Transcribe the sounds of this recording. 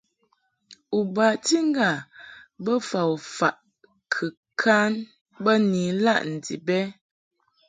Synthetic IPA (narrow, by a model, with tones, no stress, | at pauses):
u˨ba˨ti˦ŋ˦ɡa˨bə˦fa˨wfa˨ʔ | kʰə˨ | kʰa˦n | bə˦niː˨la˦˨ʔn̩˨dḭ˨bɛ˦